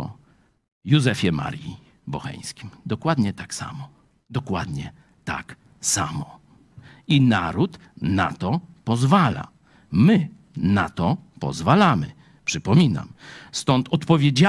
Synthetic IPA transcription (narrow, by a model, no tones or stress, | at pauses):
juzɛfʲjɛma̰ɾji | bɔxɛ̰j̃skʲimd̪ɔkwad̪ɲɛt̪aksa̰mɔ | d̪ɔkwad̪ɲɛ | t̪a̰k | samɔ | inaɾut̪ | na̰t̪ɔpɔzvala̰ | mɘ | nat̪ɔpɔ̰zvalamɘ̰ | pʂɘpɔmʲina̰mst̪ɔnt̪ɔt̪pɔvʲjed͡ʑa